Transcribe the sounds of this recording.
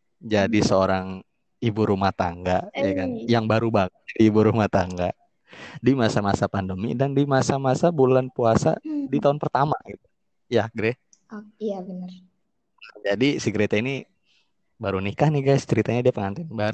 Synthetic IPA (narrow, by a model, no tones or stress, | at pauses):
d͡ʒadisəoɾaŋ | ibuɾumaht̪aŋɡajakanjaŋbaɾubaŋət̪̚adiːbuɾumaht̪aŋɡa | dimasamasapandəmḭdandimasamasabulanpuasa̰dit̪aʊnpərt̪amaɡit̪̚u̥ | jaɡɾɛ | ijabənər | d͡ʒadisiɡɾet̪aini | baɾunikahnɪhɡajst͡ʃəɾit̪aɲadiapəŋant̪ɪŋbaɾu